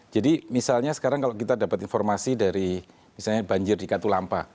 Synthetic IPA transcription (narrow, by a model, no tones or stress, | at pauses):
d͡ʒadimisalɲasə̥kaɾaŋkalokit̪adapat̪infɔrmasidaɾi | misalɲabaɲd͡ʒɪrdikat̪ulampa̰